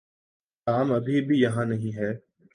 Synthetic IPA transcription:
kaːmɐbʱibʱijɐɦãnɐɦĩɦɛː

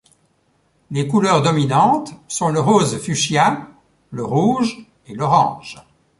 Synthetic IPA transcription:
lekulœʁd̪ɔminɑ̃t̪sɔ̃ləʁozfyʃja | ləʁuːʒ | elɔʁɑ̰̃ːʒ̥

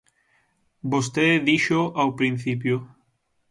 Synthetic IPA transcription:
bost̪eðiʃoʔawpɾin̟θip̬jʊ

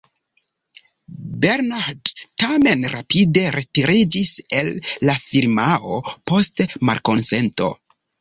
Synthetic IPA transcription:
beɾnaɾdtame̞nɾapide̞ɾe̞tiɾid͡ʒise̞lːafiɾmao̞po̞stma̰lko̞nse̞nto̞̰

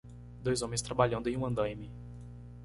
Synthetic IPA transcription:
d̪ojzõmẽst̪ɾabaʎɐ̃nd̪ʊẽj̃ũɐ̃nd̪ɐ̃jmɪ

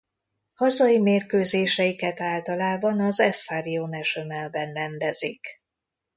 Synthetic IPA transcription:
hɒzɒjimeːrkøːzeːʃɛjikɛt̪aːlt̪ɒlaːbɒnɒzɛsaɾijoːnɛʃømɛlbɛnrɛnd̪ɛzik

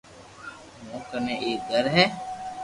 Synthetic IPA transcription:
mõːkənẽʔeːd̪əɾɦɛː

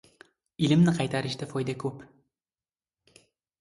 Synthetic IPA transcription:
ilɪmnɪqʰɑjt̪ʰaɾɪʃd̪afɒjd̪akʰɵp

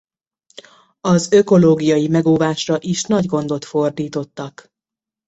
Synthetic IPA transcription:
ɒzø̞ko̞loːɡijɒjimɛɡoːvaːʃrɒʔiʃnɒɟɡo̞nd̪o̞t̪fo̞rd̪iːt̪o̞t̪ːɒk

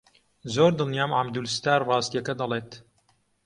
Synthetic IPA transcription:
zoːɾd̪ɨlnjaːmʕamd̪ulst̪aːɾrɑːst̪ijɐkɐd̪ɐleːt̪

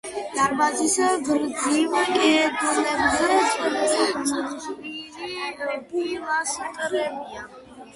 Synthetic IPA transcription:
d̪̥aɾbazisɡɾd̪zilɛd̪lɛbzɛsʼɛɾɔmɔd̪ʼviliɛbilasqʼɾɛbia

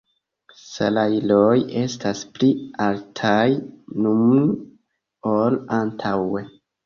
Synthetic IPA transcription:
sa̰lajloje̞stasplialtʰajnum | olantʰawe

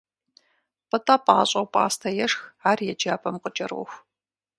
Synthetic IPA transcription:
pɨtʼaːpʼa̰ːɕʼɐwpʼa̰ːstʰɐjɛʂxaːrjɛd͡ʒaːpʰɐmqət͡ʃʼɐrwʊ̰xʷ

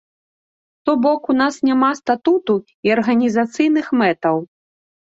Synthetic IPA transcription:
t̪ɔbɔkunasnʲamast̪at̪ut̪u | iɐrɣɐnʲizat̪sɨjnɨxmɛt̪ɐw

